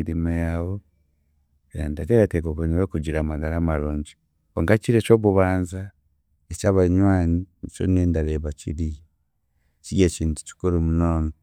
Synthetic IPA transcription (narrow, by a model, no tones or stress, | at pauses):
iɾimajawo | eandad͡ʒeɾateɡoβoɲiɾokuɟiɾamaɡalamaloːɲɟi | oŋɡat͡ʃiɾet͡ʃo̞ːβuβaːnza | et͡ʃaβaɲwaːnit͡ʃo̰neːndaɾeːβacḭɾij | t͡ʃiɡeciːntu̥ci̥koɾemunoːno